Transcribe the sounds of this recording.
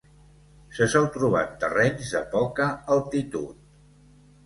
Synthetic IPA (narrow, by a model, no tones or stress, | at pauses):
səsɔlˠt̪ɾuβ̞a̰t̪ərɛɲzðəpɔkəːlˠt̪it̪ṵt̪̚